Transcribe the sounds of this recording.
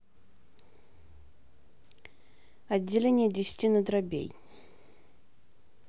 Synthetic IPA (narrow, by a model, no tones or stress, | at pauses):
ɐdʲːɪlʲenʲɪjədʲɪsʲtʲinəd̪ɾɐbʲḛj